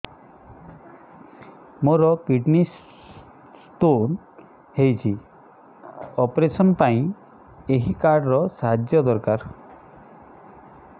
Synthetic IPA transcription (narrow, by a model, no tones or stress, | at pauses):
moɾɔkiʈnis | st̪on | hejt͡ʃʰi | ɔpɾesɔnpaĩ | eɦikaɾɖɾɔsaɦad͡ʒjɔd̪ɔɾkaɾ